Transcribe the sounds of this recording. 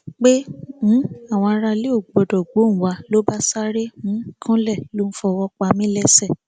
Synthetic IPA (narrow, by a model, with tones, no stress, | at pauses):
k͡pe˦m̩̃˨˦a˦˨w̃ɔ̃˧a˧ɾa˧le˦o˦˨ɡ͡bɡ͡bɔ˨dɔ˨ɡ͡bo˨˦ñ̩˨wa˧˦lo˦ba˦sa˦ɾe˦mũ˨˦kʰã˦lɛ˦˨lõ˦˧˦fɔ˧wɔ˧k͡pa˧mĩ˦lɛ˦˨sɛ˦˨